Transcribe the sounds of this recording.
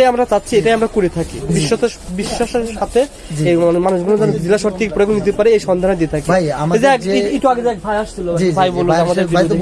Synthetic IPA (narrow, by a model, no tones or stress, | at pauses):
ajamɾat͡ɕatːɕʰieʈajamɾakuɾet̪ʰakibiʃːot̪ebiʃːaʃeɾʃat̪ʰe | d͡ʑemanmanuʃɡʱɔnod̪and͡ʑilaʃoɾt̪ikepɾoekːonit̪epaɾeejʃɔnd̪ʱaned̪iet̪ʰakijaed͡ʑeɛkiiʈuaɡed͡ʑaɛk̚bʱajaʃt͡ɕʰilobɛbʱajboloamad̪eɾbi